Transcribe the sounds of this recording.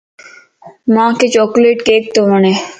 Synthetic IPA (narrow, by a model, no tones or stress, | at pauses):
mãːket͡ɕɔːkleːʈkeːk̚t̪omɐnẽ